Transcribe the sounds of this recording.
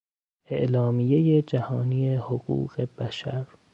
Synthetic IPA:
ʔeʔlɒːmijejed͡ʒæhɒːniːjehoɣṵːɣe̞b̥æʃæɾ

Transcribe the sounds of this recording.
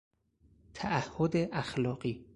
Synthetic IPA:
t̪ʰæʔæhːod̪eʔæxlɒːɢiː

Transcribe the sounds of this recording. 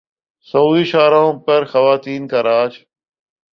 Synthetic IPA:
səuːiʃaːɾãpəɾxəʋaːt̪iːnkaːɾaːt͡ʃ

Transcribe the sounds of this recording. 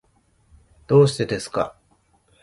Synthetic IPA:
d̪̥o̞ːɕi̥t̪e̞d̪e̞sɨ̥ka̰

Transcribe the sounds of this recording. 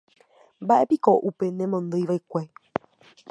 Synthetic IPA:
mbaʔe̞pikoʔupe̞nẽmõnd̪ɨjʋajkʷe

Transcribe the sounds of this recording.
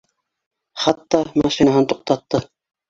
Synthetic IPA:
χat̪ːɑmɑʃinaɦɤnt̪oq̚t̪ɑt̪ːɤ

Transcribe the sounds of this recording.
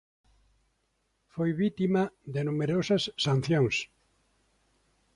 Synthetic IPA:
fojβit̪imɐðɪnumeɾosɐsːan̟θjoŋs

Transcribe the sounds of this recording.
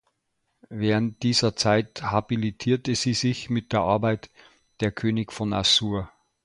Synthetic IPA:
vɛːʁənt̚d̥iːzɐt͡saɪthabilitʰiːɐtəz̥iːzɪçmɪt̚d̥eːɐʔaɐbaɪt | d̥eːɐkʰøːnɪɡfɔna̰suːɐ

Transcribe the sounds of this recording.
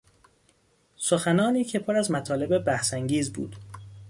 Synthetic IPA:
soxænɒːniːcʰe̞pʰoɾæzmæt̪ʰɒːle̞bebæhsæŋɟiːzbṵːd̪̥

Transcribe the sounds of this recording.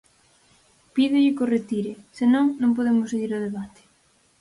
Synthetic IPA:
piðɪʎɪkoret̪iɾɪsɪnõŋnõŋp̬oðemʊseɣiɾoð̞eβat̪ɪ̥

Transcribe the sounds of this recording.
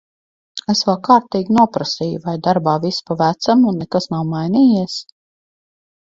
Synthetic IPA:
esvalkaːɾt̪iːɡʲinuɔpɾasiːjuvajd̪aɾbaːvispavæt̪samunːɛkasnawmajniːjiɛs

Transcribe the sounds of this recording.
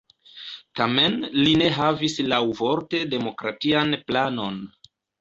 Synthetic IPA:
tame̞nline̞ɦavislawvo̞ɾte̞de̞mo̞kɾatianplano̞n

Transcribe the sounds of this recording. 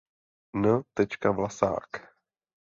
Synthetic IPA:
nət̪ɛt͡ʃkavlasa̰ːk

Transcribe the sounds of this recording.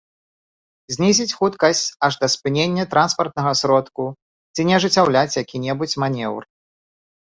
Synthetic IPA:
zʲnʲizʲit͡sʲxut̪kɐsʲt͡sʲɐʐd̪ɐspɨnʲenʲːɐt̪ɾanspɐrt̪̚nɐɣɐsɾɔt̪ku | t͡sʲinʲɛɐʐɨt͡sʲːawlʲat͡sʲjakʲinʲɛbut͡sʲmanʲɛwr

